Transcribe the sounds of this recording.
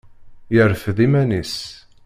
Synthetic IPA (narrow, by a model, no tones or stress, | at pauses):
jəɾfðimænis